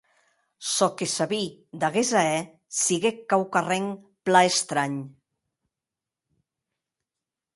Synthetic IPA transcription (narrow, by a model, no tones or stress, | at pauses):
sɔkesaβid̪aɣezaɛ | siɣekːawkareŋ | plaest̪ɾaɲ